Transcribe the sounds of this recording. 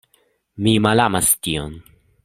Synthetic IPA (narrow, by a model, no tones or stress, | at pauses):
mimalamast̪ion